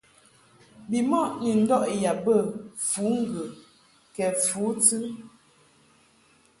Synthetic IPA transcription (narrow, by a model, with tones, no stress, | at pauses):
bi˨mɔ˦˨ʔni˨n̩˦dɔ˦˨ʔja˨bə˦˨fu˨˦ŋ̩˦˨ɡə˨ | kɛ˨fu˨˦tɨ˦